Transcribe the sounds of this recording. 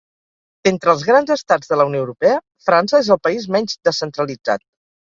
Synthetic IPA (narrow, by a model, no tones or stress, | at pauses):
d̪̥ent̪ɾəːlˠzɣɾanzəst̪ad͡zðələuwnjoəwɾupɛə | fɾansəezəlˠpəizmɛɲd͡ʒd̪əsːənt̪ɾəlid͡za̰t̪̚